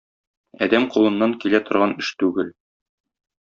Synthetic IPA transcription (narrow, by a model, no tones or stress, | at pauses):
ɒ̰d̪æmqulˠɤ̆nːɑŋkilæt̪ŏɾʁɑnɘʃt̪ʉɡɘl